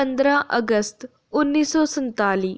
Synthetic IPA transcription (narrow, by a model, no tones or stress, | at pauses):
ənd̪ɾaːʔəɡəst̪ | ʊnːiːsɔːsənt̪aːliː